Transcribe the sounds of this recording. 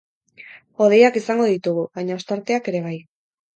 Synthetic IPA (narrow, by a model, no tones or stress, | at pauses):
o̞ð̞e̞jakisaŋɡo̞ðit̪uɣ̞uβajɲao̞st̪aɾt̪e̞ake̞ɾe̞β̞aj